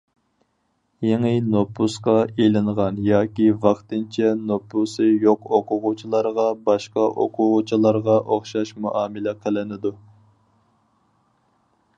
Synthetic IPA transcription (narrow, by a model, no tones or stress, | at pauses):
jeŋɪnopːusqɑelɪɴʁɑnjɑːkʲivɑχt̪ɨnt͡ʃʰɛnopʰːusɨjoqoqʊʁʊt͡ʃʰilˠɑɾʁɑbɑʃqɑʔo̰qʰʊʁʊt͡ʃʰilˠɑɾʁɑʔoχʃɑʃmuʔɑːmɪlɛqʰəlɪnɪd̪u